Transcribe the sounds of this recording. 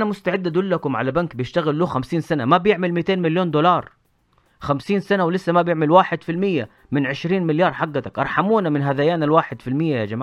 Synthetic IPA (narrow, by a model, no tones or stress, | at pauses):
namʊst̪aʕɪd̪ːʔad̪ʊlːakʊmʕa̰labankbɪjɪʃt̪aɣɪlːuːxamsiːnsanamabjɪʕmɪlmɪt̪eːnmɪljoːnd̪olɑːɾˤ | xamsiːnsanawlɪsːamabjɪʕmɪlwaːħɪd̪filmɪjːa | mɪnʕɪʃɾiːnmɪljɑːɾˤħaɡːat̪akʔɑ̰ɾˤħamuːnamɪnɦad̪ajaːnalwaːħɪd̪filmɪjːajad͡ʒamaː